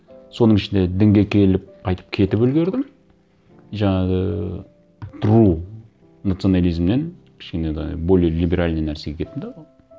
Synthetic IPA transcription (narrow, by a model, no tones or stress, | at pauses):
so̞nəɴɪʃɪnd̪e̞d̪ɪŋɡʲe̞kʲʰe̞lɪp̚qʰɑjt̪ə̥p̚kʲʰe̞t̪ɪpɵlɡʲe̞ɾd̪ɪm | ʒɑɴɑʁə | t̪ʰʊɾu | nat̪sio̞nalʲijzmnenkʲʰɪ̥ʃkʲened̪ebolʲilʲibe̞ɾalʲnenːæɾse̞ɡʲe̞kʰʲet̪ːɪmd̪eʁoj